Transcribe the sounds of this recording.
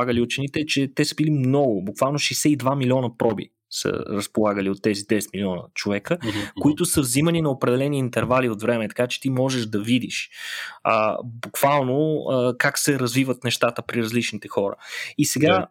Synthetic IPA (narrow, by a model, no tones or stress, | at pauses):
aɡəliʊt͡ʃɛnit̪ɛt͡ʃɛt̪ɛsəbilimnɔɡʊbukvalˠnoʃɛjsɛid̪vamilʲiɔnəpɾɔbḭ | sə̰ɾəspolˠaɡəliot̪ːɛzid̪ɛsɛt̪milʲiɔnə̰t͡ʃovɛkəkoit̪ʊsəvziməninɐopɾɛd̪ɛlɛniːnt̪ɛɾvaliot̪vɾɛmɛt̪ɐ̥kat͡ʃɛ̥t̪imɔʒɛʒd̪ɐvid̪iʃ | ə̰bukv̥alˠnoəkaksɛɾɐzvivət̪nɛʃt̪at̪əpɾiɾɐzlit͡ʃnit̪ɛxɔɾə̰isɛɡa